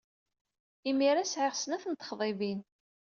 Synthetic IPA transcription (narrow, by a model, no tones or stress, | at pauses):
imiɾæsʕɪʁsənæθənt̪χðˤevin